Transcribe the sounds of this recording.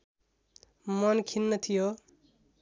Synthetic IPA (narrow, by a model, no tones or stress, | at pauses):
mʌnkʰinːʌt̪ʰijo